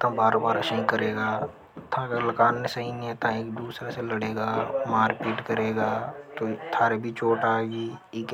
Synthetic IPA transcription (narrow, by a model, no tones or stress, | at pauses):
t̪ãbaːɾbaːɾəʃĩkəɾeːɡaː | t̪ʰãɡəɾlɐkaːnːesɐɦĩnet̪ãeːkd̪uːsɾaseləɽeːɡaːmãːɾɪpiːʈkəɾeːɡaːt̪oːt̪ʰaːɾebʱit͡ʃoːʈaːeɡiːeːk